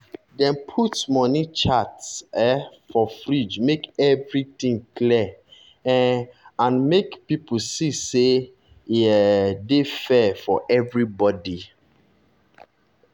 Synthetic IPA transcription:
dɛ̃npʰutmɔnit͡ʃatsɛfɔfɹid͡ʒmekɛvɹitĩŋkli | ɛãnmekpipusise | defɛfɔʔɛvɹibɔdi

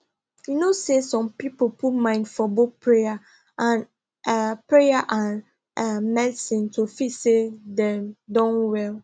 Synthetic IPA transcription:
junosesɔ̃mpipopʰutmãɪ̃ndfɔbopʰɹeja | ãn | pʰɹejaʔã | mɛdsĩntʰofisedɛ̃mdɔ̃nwɛl

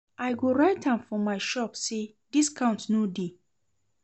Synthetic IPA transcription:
aɪɡoɹaɪtãmfɔmaɪʃɔpse | diskʰãʊ̃ntnode

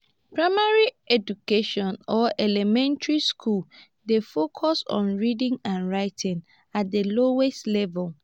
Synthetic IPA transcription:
pɹaɪmaɹi | ɛdukeʃɔ̃nɔʔɛlɛmɛ̃ntɹiskʰul | defokʰɔsɔ̰̃nɹidɪ̃ŋãnɹaɪtʰɪ̃ŋ | at̚deloweslɛvɛl

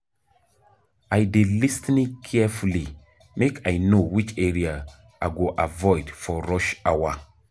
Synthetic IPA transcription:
ajdelistnikʰːɛfuli | mekajnowit͡ʃeɾia | aɡoʔavɔjdfɔɾɔʃawa

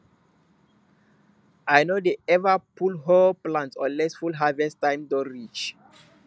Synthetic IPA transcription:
ajnodeɛvəpʰulɦoplãntsɔ̰̃nlɛsfulɦavɛstãj̃mdɔ̃nɹit͡ʃ

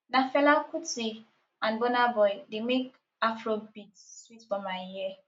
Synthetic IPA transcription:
nafɛlakuti | ãnbɔnabɔɪdemek | afɾobitswitbɔmaiɦe

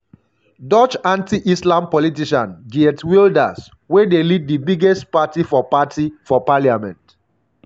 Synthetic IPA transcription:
dɔt͡ʃãntiʔislãmpɔlitiʃãnɡiɛtwilda̰s | wedelid̚dibiɡɛstpatifɔpatifɔpaliamɛ̃nt

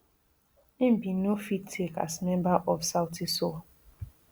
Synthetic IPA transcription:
im̩binofittʰeka̰smẽmbaʔɔfsaʊtiso

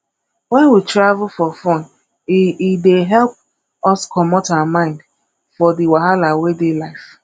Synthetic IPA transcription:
wɛnwitɾavʊfɔfɔ̃n | ideɦɛlp̚ | ɔskɔmɔtaamãɪ̃nd | fɔdiwaɦalawedelaɪf

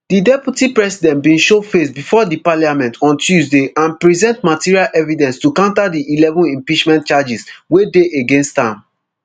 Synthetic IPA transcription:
d̥idɛpjutipɹɛsidɛ̃ntbĩnʃofesbifɔdipaljamɛ̃ntʰɔ̃ntʰjuzdeʔãnpɹizɛ̃ntmatiɹialʔɛvidɛ̃nstukãʊ̃ntadiʔilɛvɔ̃nĩmpit͡ʃmɛ̃ntt͡ʃad͡ʒiswedeʔeɡẽnstãm

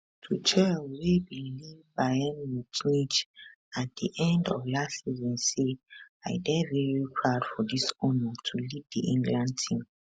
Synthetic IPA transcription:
tʰut͡ʃʰɛlwebilivbaɪɛmlut͡ʃnit͡ʃ | at̚d̥iʔɛ̃ndɔvlasizɔ̃nse | aɪdɛvɛɹikʰɹaʊdfɔdisɔnɔtʰulivdiʔĩŋɡlãnd̚tʰĩm

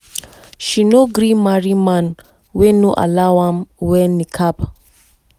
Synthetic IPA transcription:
ʃinoɡɾimaɹiman | wɛnuʔa̰lawãmwɛnikʰap

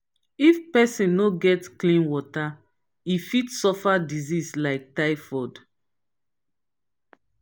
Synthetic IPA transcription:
ifpɛsĩnnoɡɛtklĩnwɔta | ifitsɔfadizislaɪk̚taɪfɔd

